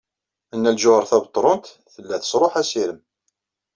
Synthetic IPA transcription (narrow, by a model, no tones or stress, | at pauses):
ənːælʒʊəɾθæbət̪ˤːɾˤont̪ | θəlːæθə̥sɾˤoħæsiɾəm